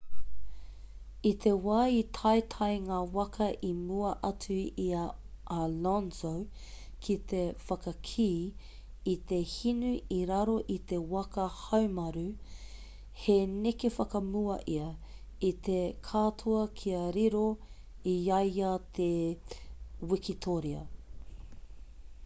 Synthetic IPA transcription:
it̪ʰe̞waːit̪ʰɐjt̪ʰɐjŋaːwɐkʰɐʔimuɐʔɐt͡sʉiɐʔalɔnzow | kʰit̪efɐkɐkʰiː | it̪ehinuiɾaɾo̞ʔit̪e̞wɐkɐhɐwmɐɾʉ | henekefɐkɐmuɐʔiɐ | it̪ekʰatʰuɐkʰiɐɾiɾo | iɐjɐt̪ʰe | wikit̪ʰoɾiɐ̰

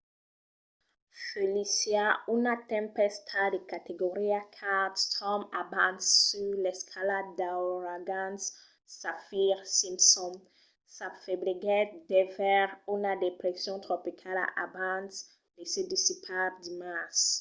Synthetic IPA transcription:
felisjaunat̪ɛ̃mpɛst̪ʰad̪ekat̪eɡoʁiakʰad̪st̪ʰɔmabãnssylɛskʰaladd̪aoʁaɡãns | safiʁsĩmpsɔ̃n | safebliɡɛt̪̚d̪ɛvɛʁunad̪epɾesjɔ̃t̪χopikʰala̰ʔa̰bãns | lesed̪isipʰad̪imas

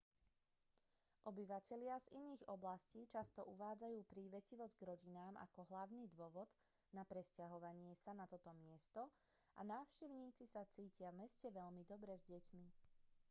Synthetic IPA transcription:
ʔɔbiʋacɛlɪaziniːɣɔblasciːt͡ʃast̪ɔʔuʋaːd͡zajuːpɾiːʋɛciʋɔzɟɡɾɔɟinaːmʔa̰kɔɦlaʊniːd̪ʊɔʋɔd̪ | napɾɛscaɦɔʋaɲɪɛsanat̪ɔt̪ɔmɪɛst̪ɔ | ʔa̰naːʊʃcɛʊɲiːt͡sisat͡siːcɪavmɛscɛʋɛʎmid̪ɔbɾɛzɟɛcmi

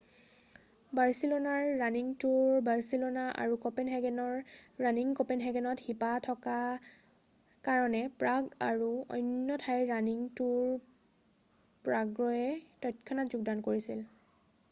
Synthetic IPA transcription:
baɹsilonaɹːaniŋtuɹbaɹsilonaʔa̰ɹukɔpenɦɛɡɛnɔɹːaniŋkɔpenɦɛɡɛnɔthipatʰɔka | kaɹɔnɛpɹaɡaɹuɔ̰jnjɔtʰajɹaniŋtuɹ | pɹaɡɹɔjɛtɔjtkʰɔnatzuɡ̚dankoɹisil

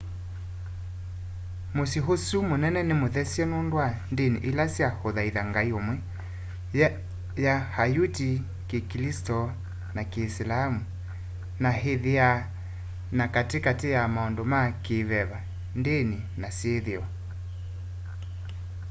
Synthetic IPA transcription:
mosiɦosumonɛnɛnemoðɛsɛnondwandenḭʔilasjahoðaiðaŋɡaiomwɛ | jahajuti | kekilistɔ | nakeːslamu | naɦeðea | nakatekatejamaɔndomakeβɛβa | ndeninaseðeɔ

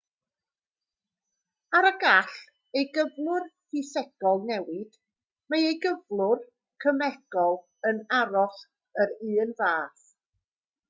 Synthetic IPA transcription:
aɾəɡaɬ | ejɡəvlˠʊrhisɛɡ̥ɔlˠnɛwɪd̥ | majejɡəvlˠʊr | kʰəmɛɡ̥ɔlˠ | ənaɾɔɬ | əɾɨːnvaːθ

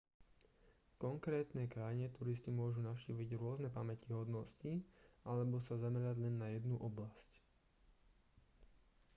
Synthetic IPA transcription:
kɔŋkɾɛːt̪nɛkɾajiɲɛt̪uɾiscimʊɔʒunaʊʃciːʋiɟɾʊɔznɛpamɛciɦɔd̪nɔsciʔalɛbɔsazamɛɾaɟlɛnːajɛd̪nuʔɔblasc

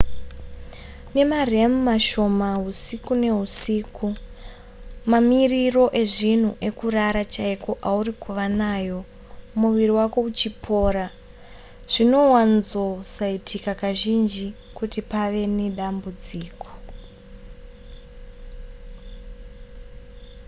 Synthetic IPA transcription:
ne̞maremumaʃo̞maɦusikune̞ɦusiːkʰu | mamiriro̞ʔe̞ʐin̤uʔe̞kuraɾat͡ʃaikoʔauɾikuʋanaːjo̞ | muʋiɾiwako̞ut͡ʃipʰo̞ːɾa | ʐ̥ino̞wanzo̞saitʰikakaʒind͡ʒi | kutipaʋe̞neɗambud͡ziːko̥

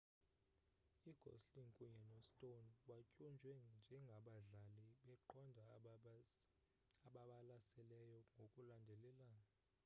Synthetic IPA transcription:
iɡ̥ʱɔ̰sliŋkʼuɲɛnɔstʼonɓacʼund͡ʒʱwɛnd͡ʒʱɛŋɡʱaɓaɮaliɓɛǃʰɔndʱa | aɓaɓalasɛlɛjɔŋɡʱokʼulandʱɛlɛla

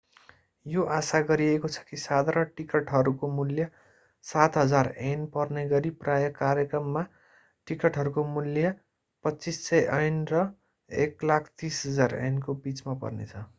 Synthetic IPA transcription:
joʔasaɡʌɾiekot͡sʰʌ̥kisad̪ɾʌʈikʌʈɦʌɾukomuljʌ | sat̪ɦʌd͡zarenpʌrneɡʌɾiprajʌkaɾjʌkrʌmːa | ʈikʌʈɦʌɾukomuljʌ | pʌtːt͡sisːʌjʔʌjnrʌ | eklakʰt̪isɦʌd͡zarḛnkobit͡smapʌ̰rnḛt͡sʰʌ

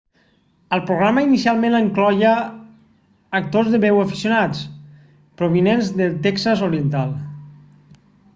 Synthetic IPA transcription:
əlˠpɾuɣɾaməinisialˠmẽnəŋklɔjə | k̚t̪ozðəβɛwəfi̥siunat͡s | pɾoβinenzðəlt̪ɛksəzoɾiənt̪alˠ

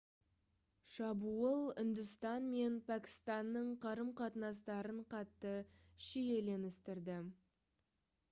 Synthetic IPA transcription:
ʃɑbuəlˠʏ̰nd̪ɪst̪ɑnme̞npʰækʲɪ̥st̪ɑnːəɴqʰɑɾəmqʰɑt̪ənɑs̬t̪ɑɾəɴqʰɑt̪ːə | ʃije̞le̞nɪst̪ɪɾd̪ɪ

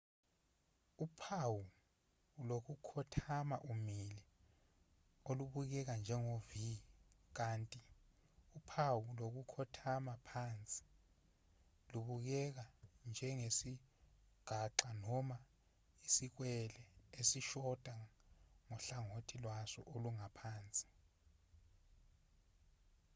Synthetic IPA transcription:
upʰawu | lok̬ukʰɔtʰamaʔumilɛ | oluɓuk̬ɛk̬and͡ʒʱɛŋovik̬aːntʼi | upʰawulok̬ukʰɔtʰamapʰant͡sʼi̥ | luɓuk̬ɛk̬and͡ʒʱɛŋesi | ɡ̥ʱaǁanɔma | isik̬wɛlɛesiʃɔd̥ʼʱaŋɔɬaŋotʰilwasɔ̰ʔoluŋapʰaːnt͡sʼi̥

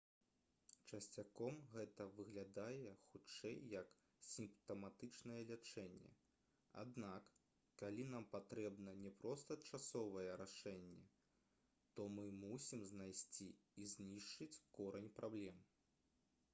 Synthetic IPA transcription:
t͡ʂɐsʲt͡sʲakɔmɣɛt̪ɐvɨɣlʲad̪ajɛxut͡ʂɛjːɐk | sʲimpt̪ɐmat̪ɨt͡ʂnɐjɛlʲat͡ʂɛnʲːɛ̰ | a̰d̪nakː | alʲinampat̪ɾɛbnɐnʲɛpɾɔst̪ɐt͡ʂasɔvɐjɛɾaʂɛnʲːɛ | t̪ɔmɨmusʲimznajsʲt͡sʲiizʲnʲiʂt͡ʂɨt͡sʲkɔɾɐnʲpɾablʲɛm

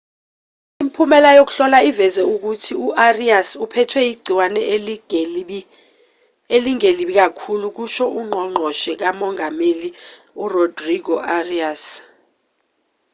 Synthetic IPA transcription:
impʰumɛlajok̬u̥ɬɔlaivɛzɛuk̬utʰiuʔariasupʰɛtʰwɛiɡ͡ǀʱiwanɛ | eliŋeliɓik̬ʼakʰuluk̬uʃɔʔuŋ͡ǃʱɔŋ͡ǃʱɔʃɛk̬amɔŋameli | urɔdriɡɔʔarias

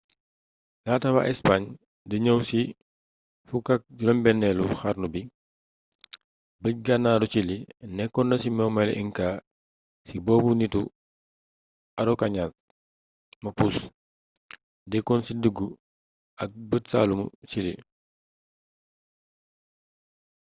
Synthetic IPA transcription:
laːtɐwa̰ʔɛspaɲ | dəɲəwsi | fukak̚ɟulɔmbɛnːɛluxaɾrnubi | bəc̚ɡanːaːdut͡ʃilinɛkːɔndɐsimɛwmalɛ̰ʔiŋkaː | sibɔːbunitu | ɐɾɔkaɲat̚ | mɐpus | dɛkːɔnsidəɡːu | ʔɐk̚bətsa̰ːlumṵsilḭ

